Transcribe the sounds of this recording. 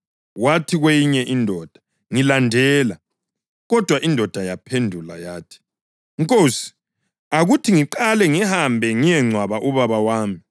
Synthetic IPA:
watʰiɣwejiɲɛʔindʱɔd̥ʱḁ | ŋilandʱɛːla | ɣɔd̥ʱwaʔindʱɔd̥ʱajapʰendʱula̰jaːtʰi̥ | ŋkʼoːsi̥ | aɣutʰiŋiǃalɛŋihambʱɛŋijɛŋ͡ǀʱwaβaʔuβaβawaːmi

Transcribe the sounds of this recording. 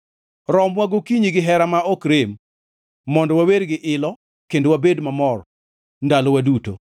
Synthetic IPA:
ɾɔmwaɡokiɲiɡɪɦɛɾamaɔkɾemː | ɔndɔwaweɾɡɪʔɪlɔ | kendowabedmamɔr | ndalɔwaduto̰

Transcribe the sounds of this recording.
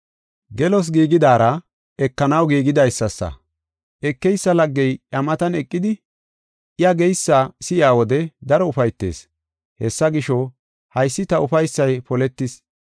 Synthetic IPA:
ɡɛlɔs̬ɡiːɡɪd̪aːɾɐ | ɛkːɐnɐwɡiːɡɪd̪ɐjsːɐsːɐ̰ | ʔɛkːɛjsːɐlɐɡːɛjʔɐmɐt̪ɐnɛkʼːɪd̪ɪ | ʔɪjɐɡɛjsːaːsɪjaːwɔd̪ɛd̪ɐɾɔʊfɐjt̪ːḛːs | hɛsːɐɡɪʃɔ | hɐjsːɪt̪ɐʊfɐjsːɐjpɔlɛt̪ːɪs

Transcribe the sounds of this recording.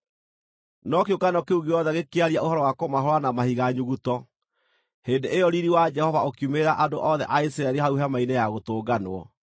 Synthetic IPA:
nɔkeokanɔkeuɣɡeɔðɛɣekeaɾiaʔohɔɾɔwakomaɦɔɾwanamahiɣaɲuɣutɔ | heːndeʔejɔɾiɾiwad͡ʒɛhɔvaokjumeɾaʔadoʔɔðɛʔaisiɾaɛɾiɦauɦamainejaɣotoːɡanwɔ̰

